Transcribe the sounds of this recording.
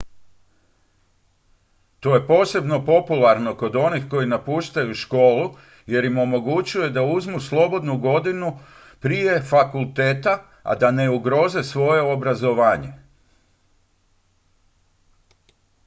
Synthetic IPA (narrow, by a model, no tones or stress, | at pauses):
t̪o̞je̞po̞ːse̞bno̞po̞pulaɾno̞ko̞d̪o̞nixko̞jinapuːʃt̪ajuʃko̞ːlu | je̞ɾimo̞mo̞ɡut͡ɕuje̞d̪auzmuslˠo̞bo̞d̪nuɡo̞d̪inu | pɾije̞fakulˠt̪e̞ːt̪a | a̰d̪ane̞uɡɾo̞ze̞sʋo̞je̞obɾazo̞ʋaːɲe̞